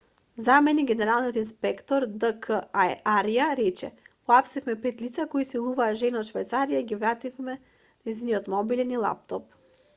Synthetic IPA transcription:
zamɛniɡʲɛnɛɾalˠniot̪inspɛkt̪ɔɾd̪əkʰəaɾijaɾɛt͡ʃɛ̰pɔapsifmɛpɛt̪lit̪sakɔisilˠuvaːʒɛnɔot̪ʃvajt̪saɾijaiɡivɾat̪ifmɛ | nɛjziniɔt̪mɔbilʲɛnilˠa̰p̚t̪ɔp

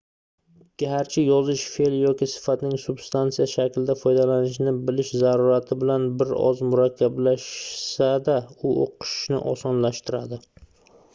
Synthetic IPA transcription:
ɡ̥ʲahaɾt͡ʃʰɪjɒzɪʃfeljɒkʲɪsɪ̥fat̪nɪŋsʊbst̪ant̪sijaʃakʲʰlɪd̪afɒjd̪alanɪʃnɪbɪlɪʃzaɾuɾat̪ʰɪbɪlanbɪɾɒ̰zmʊɾakʲʰːablaʃsad̪aʊo̰qʰɨ̥ʃʃnɪ̰ʔɒsɒnlaʃt̪ɪɾad̪ɪ

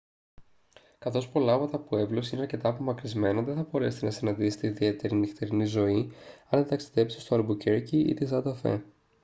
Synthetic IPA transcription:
kɐθo̞spo̞lɐovɐt̪ɐpue̞vlosineɐɾce̞t̪ɐːpo̞mɐkɾizme̞nɐðenθɐbo̞ɾe̞se̥t̪enɐst̪inɐnd̪ise̥t̪eiðie̞t̪e̞ɾinixt̪eɾinizo̞iɐnðet̪ɐksi̥ðe̞psi̥st̪oɐɾbuceɾciḭt̪izɐd̪ɐfḛ

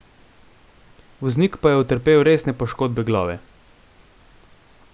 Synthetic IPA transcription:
ʋɔznikpajɛut̪əɾpeːwɾeːsnɛpɔʃkoːd̪̚bɛɡlɔ̰ːʋɛ̰

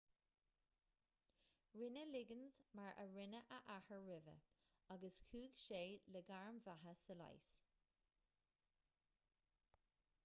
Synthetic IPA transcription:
ɹɪnəlɪɡənzmaɹʔə̰ɹɪnəʔəʔahəɹɹɪvə̰ | aɡəskʰuːɡʃeːləɡaɹmvaɦəsəla̰js

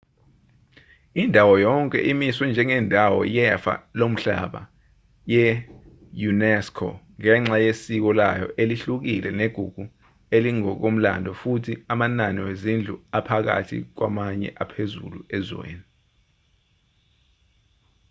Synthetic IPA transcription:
indʱawɔjɔŋkʼɛ̰ʔimiswɛnd͡ʒʱɛŋɛndʱawɔ̰jɛfa̰lom̩ɬa̰ɓa̰ | jɛ | junɛskʰɔ̰ŋɛŋ͡ǁajesik̬ɔla̰jɔ̰ʔeliɬuk̬ilɛneɡ̥ʱuɡ̥ʱu | eliŋɔk̬om̩la̰ndʱɔfutʰiamananiwezind͡ɮʱṵapʰak̬a̰tʰḭk̬wamaɲɛ̰ʔapʰezṵlṵɛzwḛːni

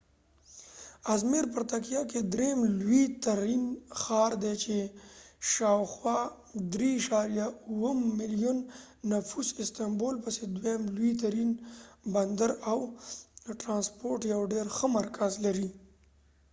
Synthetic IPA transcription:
azmeɾp̬əɾt̪akijɑked̪ɾemlwit̪aɾinxɑɾd̪et͡ʃe | ʃɑwxwɑ | d̪ɾiːʃaɾjauwəmːɪlijunː | afusɪst̪ambolpəsed̪wemlwit̪̬aɾinband̪əɾaw | ʈɾɑnspoɾʈjawɖeɾxəmaɾkʰazlaɾi

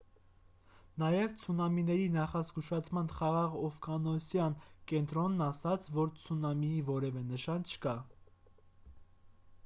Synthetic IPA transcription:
nɑjɛvt͡sʰunɑminɛɾinɑχɑzɡuʃɑt͡sʰmɑnχɑʁɑʁɔfɡɑnɔsjɑnkɛnt̪ɾɔnːɑsɑt͡sʰvɔɾt͡sʰunɑmiivɔɾɛvɛnəʃɑnt͡ʃʰə̥kɑ

